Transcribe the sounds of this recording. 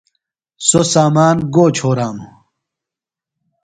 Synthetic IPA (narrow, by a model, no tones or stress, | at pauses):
sosaːmaːnɡoːt͡ɕʰoːɾaːmu